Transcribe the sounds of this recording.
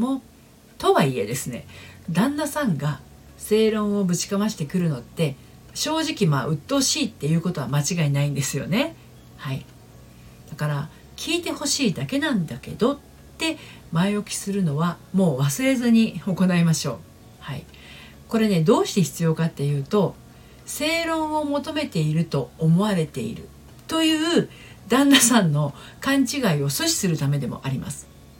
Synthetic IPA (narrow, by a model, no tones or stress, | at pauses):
mo̞ː | t̪o̞βaie̞d̪e̞sɨne̞̰d̪ãnːasãŋɡa | se̞ːɾõ̞ɰ̃o̞bɯ̟t͡ɕi̥kamaɕi̥t̪e̞kɯ̟ɾɯ̟no̞t̪ːe̞ | ɕo̞ːʑikʲima̰ːʔɯ̟t̪ːoːɕiːt̪ːe̞jɯ̟ːko̞t̪o̞βamat͡ɕiɡainaĩnd̪e̞sɨjo̞̰ne̞ | haḭ | d̪̥akaɾa | kʲʰiːt̪e̞ho̞ɕiːd̪ake̞nãnd̪ake̞̰d̪o̞ | e̞ | maiokʲi̥sɨɾɯ̟no̞βamo̞ːβasɨɾe̞zɨɲ̟io̞ko̞naimaɕo̞̰ː | haḭ | ko̞ɾe̞ne̞d̪o̞ːɕi̥t̪e̞çi̥t͡sɨjo̞kat̪ːe̞jɯ̟ːt̪o̞ | se̞ːɾõ̞ɰ̃o̞mo̞t̪o̞me̞t̪e̞iɾɯ̟t̪o̞ːmo̞β̞aɾe̞t̪e̞̰ḭɾɯ̟̰ | t̪o̞jɯ̟ː | d̪ãnːasãnːo̞kãɲ̟t͡ɕiɡaio̞soɕi̥sɨɾɯ̟t̪ame̞d̪e̞mo̞̰ʔaɾʲima̰sɨ̥